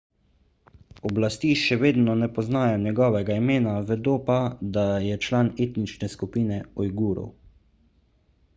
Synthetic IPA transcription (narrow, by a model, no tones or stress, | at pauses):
ɔblast̪iːʃɛʋeːd̪nɔnɛpɔznaːjɔɲjɛɡɔːʋɛɡaimeːnaʋɛd̪oːpad̪ajɛt͡ʃlaːneːt̪nit͡ʃnɛskupiːnɛɔjɡuːɾɔ̰w